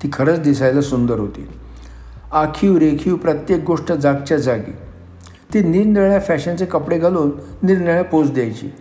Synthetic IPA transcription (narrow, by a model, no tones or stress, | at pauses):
t̪iːkʰəɾəːt͡sd̪isajlasund̪əɾɦot̪ḭːl | akʰiːwɾekʰiːwpɾət̪jek̚ɡoʂʈəd͡zaɡ̚t͡ɕjad͡zaɡḭː | t̪iːniɾniɭjafæɕãnt͡sekəpɽeɡʱaluːnːiɾnəɭjapot͡sd̪ejajt͡ɕḭː